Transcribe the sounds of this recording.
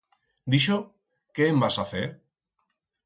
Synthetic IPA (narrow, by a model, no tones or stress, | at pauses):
d̪iʃ̬o | keembasafeɾ